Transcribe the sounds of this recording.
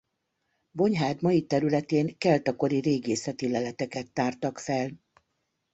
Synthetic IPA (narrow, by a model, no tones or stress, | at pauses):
bo̞ɲɦaːd̪mɒjit̪ɛɾylɛt̪eːŋkɛlt̪ɒko̞ɾiɾeːɡeːsɛt̪ilɛlɛt̪ɛkɛt̪ːaːrt̪ɒkfɛl